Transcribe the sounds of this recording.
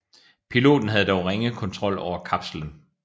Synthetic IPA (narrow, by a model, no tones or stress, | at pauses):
pʰilo̝̰ːd̥n̩ɦæð̞ˠdɒʊʁeŋəð̩ˠkʰɒ̽nt͡sʰʁɒ̽l̰ɒʊ̰ɐkʰɑb̥sələn